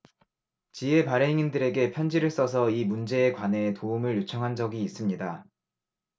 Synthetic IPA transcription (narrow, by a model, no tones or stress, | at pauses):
t͡ɕie̞paɾe̞ŋindɯɾe̞ɡe̞pʰjʌnd͡ʑiɾɯɭs͈ʌsʰʌimund͡ʑe̞ːkwane̞ːtoumɯɭjut͡ɕʰʌŋɦand͡ʑʌɡiːs͈ɯmɲida